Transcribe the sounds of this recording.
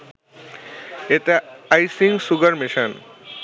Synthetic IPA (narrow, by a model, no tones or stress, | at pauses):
et̪eajsiŋsuɡaɾmeʃan